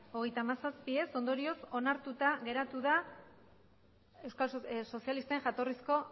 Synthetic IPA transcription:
o̞ɣ̞e̞jt̪aːmasaspie̞so̞nd̪o̞ɾio̞so̞naɾt̪ut̪aɣe̞ɾat̪uð̞a | e̞wskalso̞sialist̪eŋʝat̪o̞risko̞

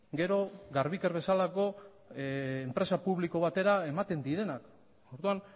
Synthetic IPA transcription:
ɡe̞ɾo̞ɡaɾβikeɾβe̞salako̞ | empɾe̞sapuβliko̞βat̪e̞ɾae̞mat̪e̞nd̪iɾe̞nak | oɾðuan

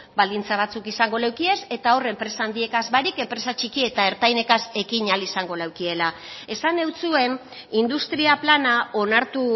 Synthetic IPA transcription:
bald̪int͡saβ̞at͡sukisaŋɡo̞lawkie̞se̞t̪ao̞re̞mpɾe̞saːnd̪ie̞kazβaɾike̞mpɾe̞sat͡ʃikie̞t̪ae̞ɾt̪ajne̞kase̞kiɲalisaŋɡo̞lawkie̞lae̞sane̞wt͡sue̞n | ind̪ust̪ɾiaplanao̞naɾt̪u

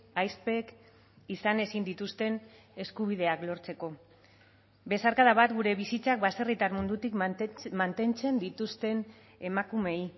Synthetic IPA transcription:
ajspe̞k | isane̞sind̪it̪ust̪e̞n | e̞skuβ̞ið̞e̞aklo̞ɾt͡se̞ko̞ | be̞saɾkaðaβat̪ɡuɾe̞βisit͡sak̚base̞rit̪aɾmund̪ut̪ikmant̪e̞nt͡se̞nd̪it̪ust̪e̞n | e̞makume̞i

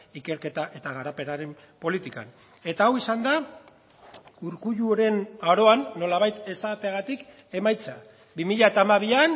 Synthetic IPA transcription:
ike̞ɾke̞t̪aʔe̞t̪aɣaɾape̞naɾe̞m | po̞lit̪ika̰n | e̞t̪aːwisand̪a | uɾkuʎuoɾe̞naɾo̞anːo̞laβajt̪e̞sat̪eaɣat̪ik | e̞majt͡sa | bimiʎaet̪aːmaβ̞ian

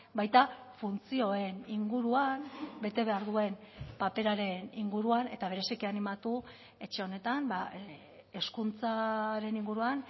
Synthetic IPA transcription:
bajt̪a | funt͡sio̞e̞niŋɡuɾuambe̞t̪e̞β̞e̞aɾðue̞npape̞ɾaɾe̞niŋɡuɾuane̞t̪aβ̞e̞ɾe̞sikianimat̪u | e̞t͡ʃe̞o̞ne̞t̪amba | e̞skunt͡saɾe̞niŋɡuɾuan

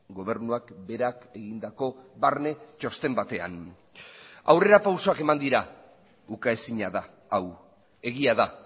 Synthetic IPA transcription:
ɡo̞β̞e̞ɾnuakbe̞ɾake̞ɣind̪ako̞βaɾne̞t͡ʃo̞st̪e̞mbat̪e̞a̰n | a̰wre̞ɾapawsoake̞mand̪iɾa | ukae̞siɲaðaː | w | e̞ɣiaða

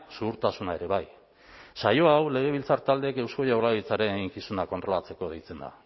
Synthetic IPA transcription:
suɣuɾt̪asunae̞ɾe̞βaj | sajo̞awle̞ɣ̞e̞βilt͡saɾt̪ald̪e̞ke̞wsko̞jawlaðit͡saɾe̞nɣiŋkisunakont̪ɾo̞lat͡se̞ko̞ðejt͡se̞nd̪a̰

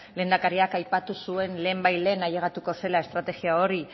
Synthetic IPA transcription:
le̞nd̪akaɾiakajpat̪usue̞nle̞ːmbajle̞ːnaje̞ɣ̞at̪uko̞se̞lae̞st̪ɾat̪e̞ɣiao̞ɾi

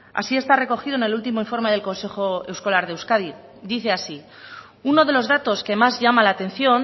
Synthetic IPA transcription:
a̰sie̞st̪are̞ko̞xiðo̞ene̞lult̪imo̞iɱfo̞ɾme̞ðelko̞nse̞xo̞e̞wsko̞laɾðewskaði | d̪iθe̞asi | uno̞ð̞e̞lo̞zðat̪o̞ske̞mazʝamalaːt̪e̞n̟θjo̞n

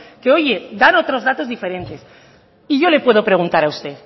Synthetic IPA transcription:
keo̞ʝe̞d̪ano̞t̪ɾo̞zðat̪o̞zðife̞ɾe̞nt̪e̞s | iʝo̞le̞pwe̞ð̞o̞pɾe̞ɣ̞unt̪aɾaust̪e̞ð

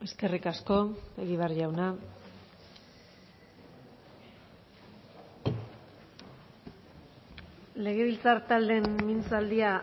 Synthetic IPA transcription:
e̞ske̞rikasko̞eɣiβearʝawna | le̞ɣ̞e̞βilt͡saɾt̪ald̪e̞mminsald̪ia

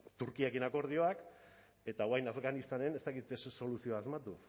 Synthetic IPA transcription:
t̪uɾkiakinako̞ɾð̞io̞ak | e̞t̪awajnafɣanist̪ane̞nest̪akit̪esso̞lusio̞aːzmat̪u

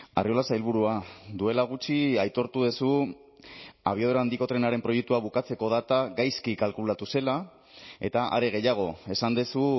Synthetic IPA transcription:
a̰rio̞lasajlβ̞uɾuad̪ue̞laɣ̞ut͡ʃiajt̪o̞ɾt̪uðesu | a̰βioð̞oɾand̪iko̞t̪ɾe̞naɾe̞mpɾo̞jek̚t̪uaβukat͡se̞ko̞ðat̪aɡajskikalkulat̪use̞la | e̞̰t̪aʔa̰ɾe̞ɣ̞e̞jaɣ̞o̞e̞sand̪esu

